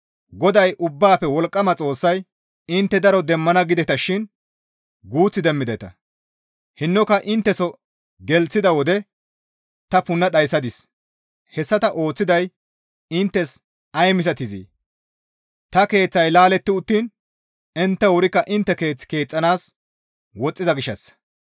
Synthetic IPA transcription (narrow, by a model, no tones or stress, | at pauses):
ɡɔd̪ɐjʔʊbːaːpːɛwɔlkʼːɐmɐt͡sʼo̞ːsːɐj | ɪnt̪ːɛd̪ɐɾɔd̪ɛmːɐnɐɡɪd̪ɛt̪ɐʃɪn | ɡuːt͡sːɪd̪ɛmːɪd̪ɛt̪ɐ̰ | hɪnːɔkɐʔɪnt̪ːɛsɔ | ɡɛlt͡sːɪd̪ɐwɔd̪ɛ | t̪ɐpʊnːɐɗɐjsɐd̪ɪs | hɛsːɐt̪ɐʔo̞ːt͡sːɪd̪ɐj | ɪnt̪ːɛs | ɐjmɪs̬ɐt̪ɪzḭː | t̪ɐke̞ːt͡sːɐjlaːlɛt̪ːɪʊt̪ːiːn | ɪnt̪ːɛwʊɾɪkːɐʔɪnt̪ːɛke̞ːt͡sːke̞ːt͡sʼːɐnaːs | wɔt͡sʼːɪzɐɡɪʃːɐs